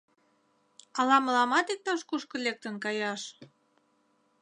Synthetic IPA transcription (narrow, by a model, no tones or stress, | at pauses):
ɑlɑməlɑmɑt̪ik̚t̪ɑʃkuʃkɤ̆lʲek̚t̪ə̆nkɑjɑʃ